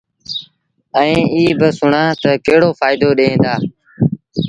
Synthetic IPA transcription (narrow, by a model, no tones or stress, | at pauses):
əĩːiːbɪsʊɳãːt̪əkeɦɪɽoːfaːɪd̪oːɗeẽːnd̪aː